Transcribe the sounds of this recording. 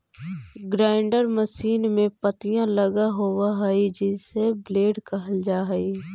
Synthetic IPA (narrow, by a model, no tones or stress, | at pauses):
ɡɾaːɪɳɖəɾməʃiːnmẽpət̪ijãləɡaɦowaɦəid͡ʒɪsebleːɖkəɦəld͡ʒaːɦi